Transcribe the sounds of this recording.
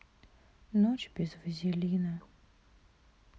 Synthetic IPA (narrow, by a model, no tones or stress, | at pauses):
not͡ɕbʲɪzvəzʲɪlʲinə